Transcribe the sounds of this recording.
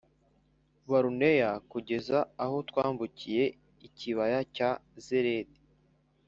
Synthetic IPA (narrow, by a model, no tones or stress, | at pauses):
βaɾune̞jakuɟe̞zaːho̞twaːmbucije̞ | iciβajacazeɾedi̥